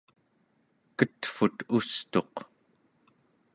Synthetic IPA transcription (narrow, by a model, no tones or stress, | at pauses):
kət̪fut̪ust̪o̞q